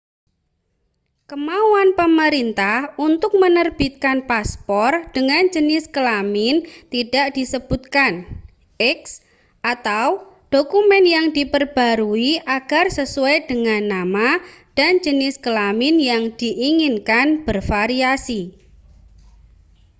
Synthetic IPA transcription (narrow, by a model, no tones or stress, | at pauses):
kəmauanpəməɾint̪ahunt̪ʊk̚mənərb̥it̪̚kanpaspɔrd̥əŋand͡ʒənɪskəlamɪnt̪idaʔd̥isəb̥ut̪̚kan | ʔɛks | ʔat̪aw | ɖ̥okumɛnjaŋdipərb̥a̤ɾuiʔaɡ̥arsəsuɛjd̥əŋanːamad̥and͡ʒənɪskəlamɪnjaŋd̥iʔiŋɪnkanb̥ərfaɾiasi